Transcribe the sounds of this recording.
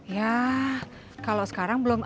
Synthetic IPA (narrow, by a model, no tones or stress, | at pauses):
ja | kalosə̥kaɾaŋbəlʊm